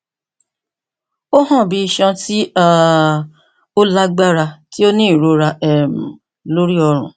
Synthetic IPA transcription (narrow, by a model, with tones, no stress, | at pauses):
o˦ɦɔ̃˦˨bi˨˧i˧ʃɔ̃˧ti˦a˦˨ | o˦la˦ɡ͡ba˦ɾa˧ti˦o˦nĩ˦˨ɾo˧˦ɾa˧ʔɛ˨m̩˨ | lo˦ɾi˦ɔ˧ɾ̃ṵ̃˨